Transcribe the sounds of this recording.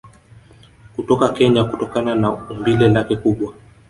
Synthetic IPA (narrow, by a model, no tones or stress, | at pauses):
kutɔkakɛɲakutɔkananaumbilɛlakɛkuɓwa